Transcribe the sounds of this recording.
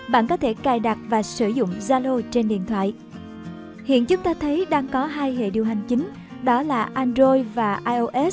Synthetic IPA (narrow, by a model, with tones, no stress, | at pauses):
ɓa̰ː˧˨nkɔ˨˦t̪ʰe˧˩kaː˨˩jɗa˨˩t̚vaː˨˩sɨ˧˩zʊ̰˧˨ŋ͡mzaː˧lo˧t͡ɕe˧nɗḭ˧˨ənt̪ʰwa̰ː˧˨jʔ | hḭ˧˨ənt͡ɕʊ˨˦ŋ͡mt̪aː˧t̪ʰə˨˦jɗaː˧ŋkɔ˨˦ɦaː˧jɦḛ˧˨ɗi˨˩əwɦa˨˩jŋ̟t͡ɕï˨˦ŋ̟ | ɗɔ˨˦laː˨˩ʔaː˧nzo˧jvaː˨˩ʔaː˧jʔo˧ʔɛ˦˥s